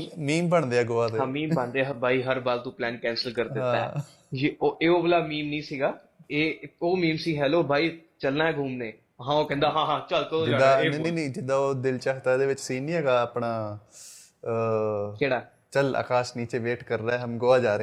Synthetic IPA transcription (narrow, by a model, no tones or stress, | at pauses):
miːmbəɳd̪eːaːɡoːaːd̪ɦãːmĩːmbəɳd̪eːɦbʱaːiːɦəɾbaːlt̪õːplɛːnkɛ̃ːnsəlkəɾd̪ɪãaɛ̰̃ː | d͡ʒioʔeːoːbəlaːmiːmnĩːsiːɡaː | eːoːmĩːmsiːɦɛːloːbʱaːiː | t͡ʃəlnaːɦɛːɡʱuːmneː | ɦãːoːkɛ̃ːnd̪aːɦãːɦãːt͡ʃəlkəõad̪aːnːniːnĩːd͡ʒɪd̪aːoːd̪ɪlt͡ʃaːkʰt̪aːd̪eːʋɪt͡ʃsiːnĩɛːɡaːəpnaː | keːɽaː | t͡ʃəla̰ːkaːʃniːt͡ʃeːʋeːʈkəɾːaɛːɦəmɡoːaːd͡ʒaːɾẽ